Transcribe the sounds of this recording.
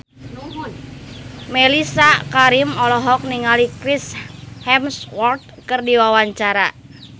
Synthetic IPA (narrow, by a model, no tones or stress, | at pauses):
melisakaɾimɔlɔɦɔk̚niŋalikɾishɛmswɔrt̪̚kɨrdiwawaɲt͡ʃaɾa